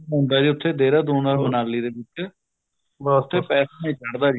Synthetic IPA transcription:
ɦõːnd̪aːd͡ʒiːʊt̪ʰːeːd̪eːɾaːd̪oːnaːɾmənaːliːd̪eːʋɪt͡ʃ | baʊt̪ʰːeːpɛːsamẽːt͡ʃəɽd̪aːɾi

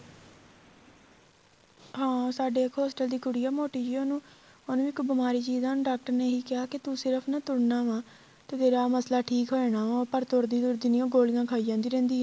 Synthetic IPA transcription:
ɦãːsaːɖeːkɦɔːsʈəld̪iːkʊɽijaːmoːʈiːd͡ʒiːoːnũː | onũːɪkbəmaːɾiːd͡ʒiːzãːnːɖaːk̚ʈəɾneːɦiːkɪɦaːkɪt̪usɪɾəpʰnãːt̪ʊɽnaːʋãː | t̪eːt̪eːɾaːməslaːʈʰiːkɦoːɛnaːʋãpəɾt̪ʊɾd̪iːd̪ʊɾd̪iːniːõːɡoːlɪjãːkʰaːiːd͡ʒãːnd̪iːɾɛ̃ːnd̪iːɦɛː

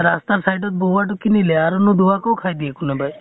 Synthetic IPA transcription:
ɾast̪aɾsajʈɔt̪̚boʋaʈ̬ukinileaɾɔnũd̪uʋakɔwkʰajd̪iekunebʱaj

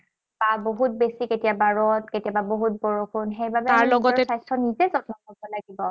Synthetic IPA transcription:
baboɦut̚besiketijabaɹɔtketijababoɦut̚bɔɹokʰʊnxejbabɛaɹlɔɡɔsajstʰɔnizɛzɔtnɔkɔbɔlaɡibɔ

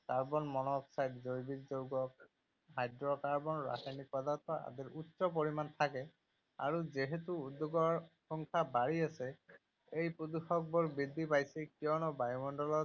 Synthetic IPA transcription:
kaɹbɔnmɔnɔksajtzojbitzoɡɔk | ɦajdɹɔkaɹbɔnɹa̰sajnik̚pɔd̪ant̪ɔa̰d̪iɹutːsɔp̬ɔɹimant̪ʰakɛ | a̰ɹuzeɦetuːd̪ːuɡɔɹxɔŋkʰabaɹiasɛ | ejpud̪uxɔk̚bɔɹbid̪ːipajsɛkiɔnɔbajmɔnɖɔlɔ

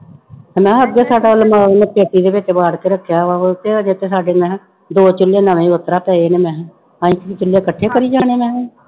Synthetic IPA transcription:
mɛ̃ːəɡ̪eːsaːɖaːlmaːneːpeːʈ̪iːd̪eːbet͡ʃeːbaːɾt̪eːɾəkʰːjaːaot̪eːd͡ʒet̪eːsaːɖeːnɛ̃ | d̪oːt͡ʃʊlːeːnəʋẽːət̪ɾaːpɛːeːneːmɛ̃ː | ãːɪkːkit͡ʃʊlːeːkəʈʰːeːkəɾiːd͡ʒaːɽ̃eːmɛ̃ːe

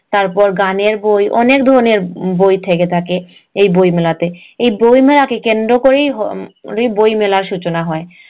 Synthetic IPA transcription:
t̪aɾpɔɾɡaneɾbojʔɔ̰nekd̪ʱɔɾoneɾbojt̪ʰeket̪ʰake | ejbojmelat̪e | ejbojmelakekend̪ɾokoɾejɦɔɾejbojmelaɾʃut͡ɕonaɦɔe

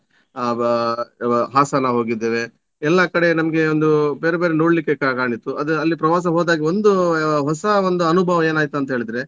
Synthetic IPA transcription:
ɦaːsɐnaːʋɦo̞ːɡid̪ːeːʋe | ɛlːɐkɐɽe̞nɐmɐɡe̞ond̪ubeːɾebe̞ːɾenoːɽlikːe̞kakaːɳit̪ːuɐd̪uɐlːipɾɐʋaːs̬ɐɦoːd̪aːɡio̞nd̪uɦɔsɐond̪uɐnubʱɐːʋɐe̞ːnaːjt̪uɐnt̪ɐɦeːɭid̪ɾe̞

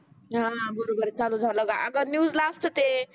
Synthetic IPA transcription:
ɦãbəɾobəɾet͡salud͡zʱãw̃ləɡaʔəɡənjuːzlasʈət̪e

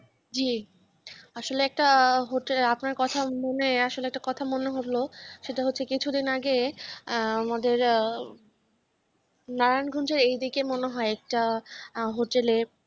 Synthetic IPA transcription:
d͡ʑi | aʃoleɛk̚ʈaɦoʈelapnaɾkɔt̪ʰamoneaʃoleɛk̚ʈakɔt̪ʰamoneɦoʈloʃeʈaɦotːɕʰekit͡ɕʰud̪inaɡe | amad̪eɾ | naɾanɡʱond͡ʑeɾejd̪ikemoneɦɔeɛk̚ʈa | ɦoʈele

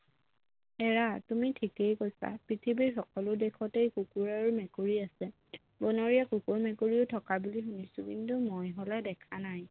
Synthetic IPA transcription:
ɛɹatumitʰikejkojsa̰pɹitʰibixɔkɔlʊdekʰɔtejkukuɹaɹumɛkuɹiasɛ | bɔnɔɹiakukuɹmɛkuɹiʊtʰɔkabulixunisʊkintumojɦolɛdɛkʰanaj

